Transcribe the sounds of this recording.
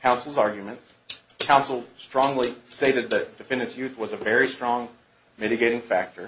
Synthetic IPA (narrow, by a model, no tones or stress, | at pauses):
kʰãʊ̃nsl̩ˠzɑɹɡjɨmɨ̃nts | kʰãʊ̃nsl̩ˠstɹ̥ɔ̃ŋlisteɪɾɨd̪̚ðɨt̚d̥ɨfɪ̃nɨsjʉθwʌzɨvɛɹistɹ̥ɔ̃ŋ | mɪɾɨɡeɪɾɪ̃ŋfæk̚tʰə˞